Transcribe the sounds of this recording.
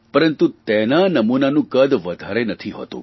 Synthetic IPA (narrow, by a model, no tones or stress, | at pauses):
pəɾənt̪ut̪enanəmunanũkəd̪ʋəd̪ʱaɾenət̪ʰiɦo̰t̪ṵ̃